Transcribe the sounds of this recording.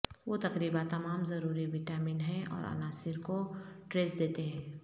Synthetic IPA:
ʋoːt̪ɐkɾiːbat̪ɐmaːmzɐɾuːɾiʋɪʈaːmɪnɦɛ̃ɔ̰ːɾɐ̰naːsɪɾkoʈɾeːsd̪eːt̪eɦɛ̃ː

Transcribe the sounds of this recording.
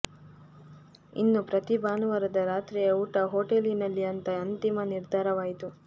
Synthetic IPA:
ḭnːupɾɐt̪ibaːnɐʋɐɾɐd̪ɐɾaːt̪ɾijɐuːʈɐɦoːʈelinɐlːiɐnt̪ɐɐnt̪imɐniɾd̪ʱaːɾɐʋaːjit̪u

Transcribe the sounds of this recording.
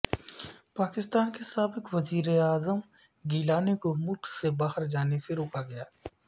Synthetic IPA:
paːkɪst̪aːnkesaːbɪkʋɐziːɾeaːzəm | ɡiːlaːnekomʊlkʰsebaːhəɾd͡ʒaːneseɾoːkaɡɐjaː

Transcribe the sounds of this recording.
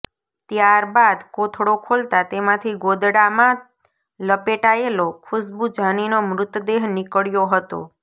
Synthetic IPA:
t̪jaɾbad̪kot̪ʰɽokʰolt̪at̪emãt̪ʰiɡod̪ɽamã | ləpeʈaelokʰʊsbud͡ʒʱaninomɾʊt̪d̪eɦnikəɽjoɦət̪o̰

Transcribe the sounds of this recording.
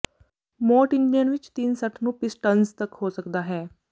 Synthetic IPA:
mɔːʈɪŋɡlijənʋɪt͡ʃt̪insəʈʰnũːpɪsʈənzt̪əkhoːsəkd̪aːɦɛː

